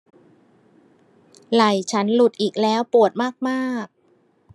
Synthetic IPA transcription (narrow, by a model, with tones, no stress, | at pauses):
la˨˩jt͡ɕʰa˦˥nlu˨˩t̪̚ʔiː˨˩k̚lɛː˦˥wpu˨˩ət̪̚maː˥˩k̚maː˥˩k̚